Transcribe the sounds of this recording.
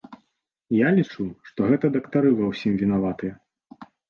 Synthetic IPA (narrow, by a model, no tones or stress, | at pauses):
jalʲit͡ʂuʂt̪ɔɣɛt̪ɐd̪ɐkt̪aɾɨvawsʲimvʲinavat̪ɨjɐ